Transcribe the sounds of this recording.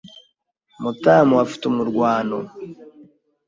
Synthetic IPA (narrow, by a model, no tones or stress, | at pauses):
mutaːmuafi̥tumuɾɡwaːno